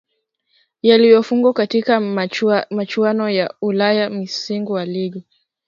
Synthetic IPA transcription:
jalijɔfuŋɡwakatika | mat͡ʃuanɔjaulajamisiŋɡuwaliɡɔ

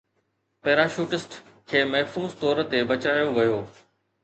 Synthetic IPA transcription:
pɛːɾaːʃuːʈɪsʈ | kʰeːmɛɦfuːzt̪ɔːɾ̆t̪ebɐt͡ɕaːjoʋɐjoː

